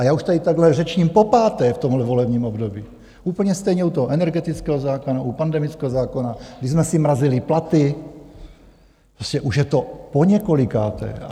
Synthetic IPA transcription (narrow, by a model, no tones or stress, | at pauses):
ʔajaːuʃt̪adɪt̪aɡlɛrɛt͡ʃɲiːmpo̞paːt̪ɛːft̪omɦlɛvo̞lɛbɲiːmobdobiː | ʔuːpl̩ɲɛst̪ɛjɲɛut̪oɦoʔɛnɛɾɡɛt̪it͡skɛːɦozaːkonaʔupandɛmit͡skɛːɦozaːkonaɡ̥dɪzmɛsɪmɾazɪlɪplat̪ɪ | pɾoscɛʔuʃjɛt̪o̞poɲɛkolɪkaːt̪ɛ̰ːa̰